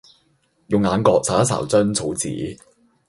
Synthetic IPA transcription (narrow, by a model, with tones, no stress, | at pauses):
jʊ˨ŋːaː˨˧nkɔː˧k̚sa˨ɐ˥sɐ̰˨˩wt͡sɵ˥nt͡sʰo˨˥wt͡sḭː˨˥